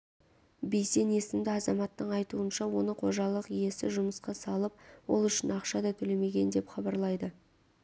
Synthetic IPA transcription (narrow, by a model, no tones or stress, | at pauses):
bejse̞ne̞sɪmd̪ɪɑzɑmɑt̪ːəɴɑjt̪uənʃɑwo̞nəqʰo̞ʒɑlˠəqije̞sɪʒʊməsqɑsɑlˠəp̚wo̞̰lˠʏʃɪnɑqʃɑd̪ɑt̪ʰɵle̞me̞ɡʲe̞nd̪e̞pχɑbɑɾlˠɑjd̪ə